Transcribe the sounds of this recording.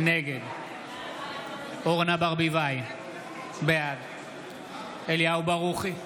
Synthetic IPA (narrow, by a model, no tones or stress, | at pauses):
neɡed̪ | oʁnabaʁbivaj | bead̪ | eljawbaʁuχi